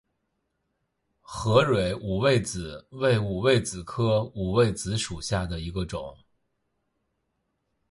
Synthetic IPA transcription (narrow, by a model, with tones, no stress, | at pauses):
xɤ˧˥ɻwe˨˧˥ɪʔu˨˩we˥˩ɪt͡sɹ̩˨˩˦we˥˩ɪu˨˩we˥˩ɪt͡sɹ̩˨˩kʰɤ˥u˨˩we˥˩ɪt͡sɹ̩˧˥ʂu˨˩ɕja˥˩d̪ə˩i˧˥ɡə˧ʈ͡ʂʊ̰˨˩˦ŋ